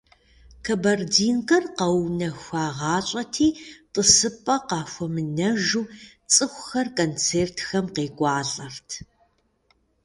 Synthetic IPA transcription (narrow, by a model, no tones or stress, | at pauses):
kʰɐbɐrdiːnqɐrqɐwnɐxʷaːʁɑːɕʼɐtʰiːtʼəsɨpʼɐqɑːxʷɔmɨnɐʒuː | t͡sʼɨxʷxɐrkʼoːnt͡sʰeːrtʰxɐmqeːɡʷʼɑːɮʼɐrtʰ